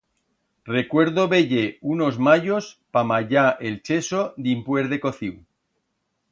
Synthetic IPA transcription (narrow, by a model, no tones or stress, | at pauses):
re̞kwe̞ɾðoβeʎe̞uno̞zmaʝo̞spamaʝaʔelt͡ʃe̞sod̪impwe̞ɾðe̞ko̞θiw